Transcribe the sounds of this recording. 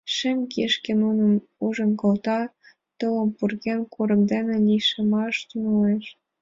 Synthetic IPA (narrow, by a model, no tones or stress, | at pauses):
ʃĕmkeʃkenunə | uʒɤ̆nkɤ̆lt̪ɑ | t̪ɤlə̆mpurɣenkʰoɾə̆md̪enĕlʲiʃĕmɑʃt̪ynoleʃ